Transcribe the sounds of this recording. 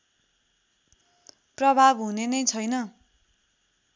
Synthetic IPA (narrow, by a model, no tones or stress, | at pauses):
prʌbʱabɦunenʌjt͡sʰʌjnʌ